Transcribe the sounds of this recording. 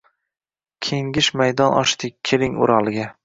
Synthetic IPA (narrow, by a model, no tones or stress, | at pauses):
kʲʰe̞ŋɡʲɪʃmajd̪ɒnʔɒ̰ʃt̪ɪk̚ʲkʲʰːelɪŋʊ̰ɾɒlˠɪɡʲa